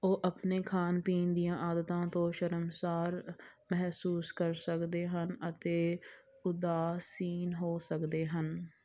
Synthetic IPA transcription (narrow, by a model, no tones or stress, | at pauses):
oːʔəpneːkʰaːnpiːnd̪ijãːʔaːd̪ət̪ãːt̪õːʃəɾəmsaːɾmɛɦsuːskəɾsəkd̪eːɦənət̪eː | ʊd̪aːsiːnɦoːsəkd̪eːɦən